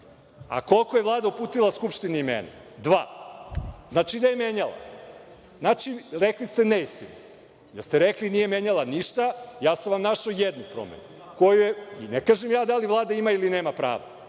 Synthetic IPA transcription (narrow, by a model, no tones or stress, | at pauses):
a̰ko̞lˠkojelˠaːd̪aupuːt̪ilˠaskupʂt̪iniimḛːna̰ | d̪ʋa̰ː | znaːt͡ʃid̪ajemeɲalˠa̰ | znat͡ʃiɾeklist̪e̞neist̪inu | d̪ast̪eɾeklinije̞meɲalˠaniʃt̪ajaːsaʋamnaʃojed̪nupɾo̰mḛnu | kojujeinekaːʒemjaːd̪alivlˠaːd̪aimailineːmapɾa̰ːʋa̰